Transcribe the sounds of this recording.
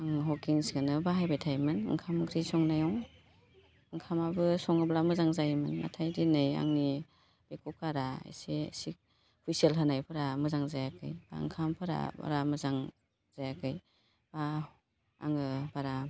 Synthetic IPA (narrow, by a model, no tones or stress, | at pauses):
aŋɦɔkiŋsɡɯnɯbaɦajbajtʰajmɯnɯ̰ŋkʰamkʰɾisɔŋnajɔŋ | ɯŋkʰamabɯsɔŋɯblamɯzaŋzajmɯnːa̰tʰajdinɯja̰ŋni | b̥ekʰukʰaɾaḛsesik̚ | ɔpʰisielɦɯnajpʰɯɾamɯzaŋzajakɯ̰jb̥a̰ɯ̰ŋkʰampʰɯɾa̰ba̰ɾamɯzaŋ | z̥ajakʰɯj | b̥a̰ː | ŋɯbaɾa